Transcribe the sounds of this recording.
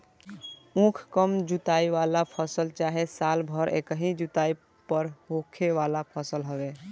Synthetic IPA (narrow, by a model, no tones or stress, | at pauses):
ũkʰkəmd͡ʒut̪aiʋalapʰəsəlt͡ʃaɦesalbʱəɾḛkəɦĩd͡ʒut̪ai | pəɾɦokʰeʋalapʰəsəlɦəbe